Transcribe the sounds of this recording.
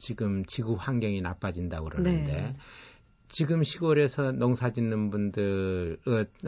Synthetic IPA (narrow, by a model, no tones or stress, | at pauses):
t͡ɕiɡɯmt͡ɕiɡuhaŋɡjʌŋinap͈ad͡ʑindakɯɾʌnɯnde̞ | t͡ɕiɡɯmɕʰiɡʌɾe̞sʰʌnʌŋsʰad͡ʑinːɯnbundɯɾɯ